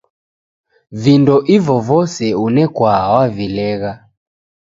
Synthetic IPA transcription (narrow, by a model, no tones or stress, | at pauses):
vindɔʔivɔvɔsɛunɛkwawavilɛɣa